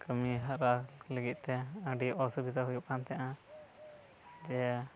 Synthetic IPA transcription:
kəmiɦaɾaləɡit̪̚ˀt̪ɛə̃ɖiʔɔsubit̪aɦujuʔkant̪ɛʔã | d͡ʒɛ

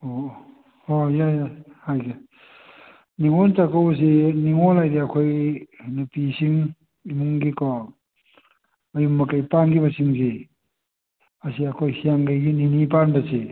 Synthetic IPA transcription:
o | ojajahajɡi | niŋontakaws̬eniŋolajdiakʰojnɐpisiŋ | imuŋɡikɔ | ɐjumːɐkajpanɡibasiŋse | ɐsiakʰojsijaŋɡajɡininipanbɐse

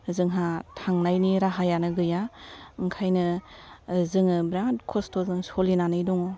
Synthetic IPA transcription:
zɯŋɦatʰaŋnajniɾaɦajanɯɡɯjaɯŋkʰajnɯ | zɯŋɯbɾatkʰɔstʰɔzɯŋsolinanɯjdɔŋɔ

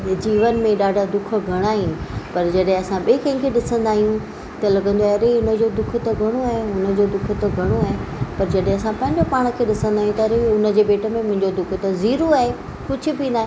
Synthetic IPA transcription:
d͡ʑiːʋənmẽɗaːɖʱad̪ʊkʰə̆ɡʱɐɽ̃aːɦĩpɐɾd͡ʑɐɗɦẽɐsãɓekɐ̃ɪ̃kʰeɗɪsə̃nd̪aːɦijũ | t̪ɐlɐɡə̃nd̪oaɛɐɾeʊnə̆d͡ʑod̪ʊkʰt̪ɐɡʱɐɽ̃oaːɦeʊnə̆d͡ʑod̪ʊkʰʊ̆t̪ɐɡʱɐɽ̃oaːɦepɐɾd͡ʑɐɗɦẽɐsãpɐ̃ɦɪ̃ɲd͡ʑopaːɽ̃əkʰeːɗɪsə̃nd̪aːijũt̪ɐɐɾeʊnə̆d͡ʑeːɓeːʈə̆mẽmʊ̃ɦɪ̃ɲd͡ʑod̪ʊkʰt̪ɐziːɾoaːɦe | kʊd͡ʑʱʰʊ̆binaːɦẽ

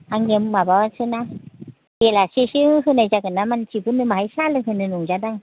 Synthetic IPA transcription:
aŋemmabawansʰɯna | jelaseɕiŋɯɦɯnajzakɯnːamant͡ɕibɯnːɯmaajsalɯŋhɯnɯnuŋd͡ʒadaŋ

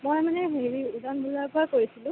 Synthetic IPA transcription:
mojmanɛɦeɹiudanbulapʊɹakoɹisilʊ̃

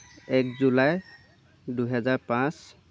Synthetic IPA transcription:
ɛkzulaj | duɦɛzaɹpãs

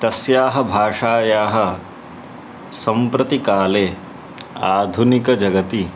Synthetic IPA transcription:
t̪ɐsjaːɦɐ̆bʱaːʂaːjaːɦɐ̆ | sɐ̃mpɾɐt̪ikaːleː | aːd̪ʱunikɐd͡ʒɐɡɐt̪i

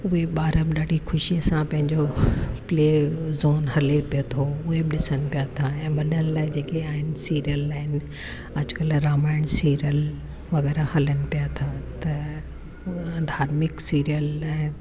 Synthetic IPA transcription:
ʊɦeɓaːɾəmɗaːɖʱixʰʊʃiəsãpɐ̃ɦɪ̃ɲd͡ʑopleːzoːnɦɐlepijot̪ʰoʊɦebɪɗɪsənɪ̆pijat̪ʰaɛ̃ːɓɐɗənlaːɪd͡ʑeːkeaːɦɪnɪ̆siːɾijəlaːɦɪnɪ̆ | ɐd͡ʑʊkɐlɾaːmaːɪɽ̃siːɾijəl | ʋɐɣɛːɾahɐlənɪ̆pijat̪ʰaːt̪ɐ | d̪ʱaːɾmɪksiːɾijəlɛ̃ː

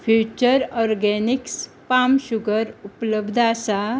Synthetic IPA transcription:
fjut͡ɕəɾɔɾɡɛniks | pamɕuɡəɾupləbd̪ʱasa

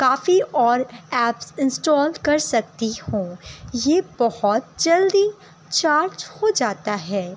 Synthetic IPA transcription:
kaːfiʔɔːɾɛːpsɪ̃nsʈɔːlkɐɾsɐk̚t̪ihõːjebɔhɔt̪̚d͡ʒɐld̪i | t͡ʃaːɾd͡ʒhod͡ʒaːt̪aɦɛː

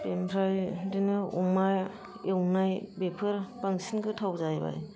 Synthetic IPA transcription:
pempʰɾajdinɯumaj | ewnajbepʰɯɾpaŋsinkɯtʰawzajba̰j

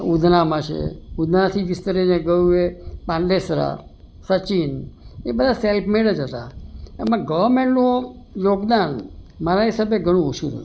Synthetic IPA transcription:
ud̪ʱnamãt͡ʃʰḛud̪ʱnat̪ʰiʋist̪əɾineɡəjũepãnɖesɾa̰ | sət͡ʃinebəd̪ʱaselpʰmeɭəd͡ʒɦət̪aḛmãɡəʋəɾmẽɳʈno | joɡd̪anmaɾaɦisabeɡʱəɽ̃ũuʃuɾə̰u

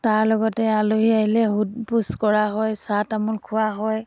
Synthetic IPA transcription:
taɹlɔɡɔtɛaloɦiaɦilɛɦud̚puskɔɹaɦɔjsatamulkʰʊwaɦɔj

